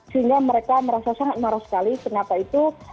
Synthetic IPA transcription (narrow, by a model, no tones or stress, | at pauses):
səɦiŋɡaməɾekaməɾasasaŋat̪̚maɾahsə̥kalikənapait̪u